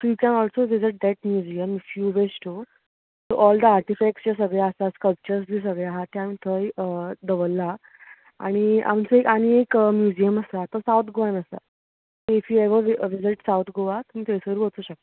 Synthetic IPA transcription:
t̪uikɛ̃nɔɭsoʋiziʈ̚d̪ɛʈ̚mjud͡ʑijəmfjuːʋesʈʰo | t̪oʔɔld̪əaɾʈifɛk̚ʈst͡ɕas̬əɡɭeəsaskəlp̚t͡ɕəɾsd͡ʑis̬əɡɭeaɦat̪eam̤iːt̪ʰəjəd̪əʋəlːa | a̰ɽ̃ia̰mt͡səekaɽ̃iekmjud͡ʑijəməsaat̪əsawt̪ʰɡoʋanəsa̰ | t̪eifjieʋəʋʋiziʈsawt̪ʰɡoʋat̪umiːt̪ejsəɡɾebot͡s̪uːɕək̚t̪

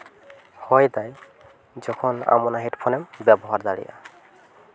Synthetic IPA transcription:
hɔjt̪aj | zɔkʰɔna̰mɔnaɦetpʰɔnɛmbɛbɔɦaɹzaɹḭja̰

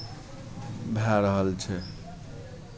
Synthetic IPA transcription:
bʱaɾəɦəlt͡ʃʰɛ

